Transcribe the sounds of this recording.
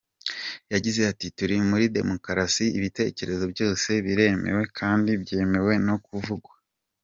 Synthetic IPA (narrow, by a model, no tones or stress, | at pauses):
jaɟize̞atituɾimuɾide̞̰mo̞kɾasiiβite̞ːce̞ɾe̞zo̞bjo̞ːse̞βiɾe̞me̞̰we̞kʰaːndibje̞ːme̞we̞no̞kuvuɡwa